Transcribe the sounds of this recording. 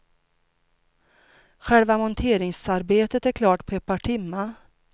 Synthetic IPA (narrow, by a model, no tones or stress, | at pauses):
ɧɛlvamɔnt̪ʰeːɾɪŋsaɾbeːt̪ət̪æɾkʰlɑːʈpʰɔɛt̪̚pʰɑʈʰɪmːa